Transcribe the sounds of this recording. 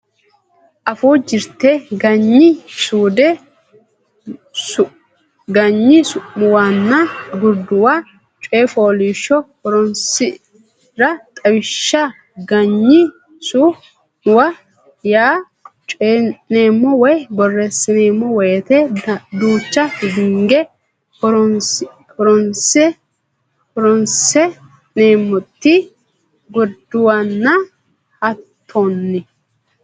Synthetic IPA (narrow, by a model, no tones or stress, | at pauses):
ʔɐfuːd͡ʒɪɾt̪eːɡɐɲːɪsuːd̪ɛ | ɡɐɲːɪsʊʔʊwaːnːɐɡʊɾd̪ʊwa | t͡ʃʼeːfo̞ːliːʃːɔhɔɾɔnsɪ | ɾɐt̪ʼɐwɪʃːɐ | ɡɐɲːɪ | su | ʊwɐ | jaː | t͡ʃʼeneːmːɔwɔjbɔrːɛsːɪneːmːɔwɔjɛt̪ɛd̪uːt͡ʃːɐhɪɡɪŋɡɛ | ɔɾɔnsɛ | pɔɾɔnsɛ | neːmːɔt̪ːɪ | ɡɔd̪ʊwɐnːɐ | ɐt̪ʰːonːɪ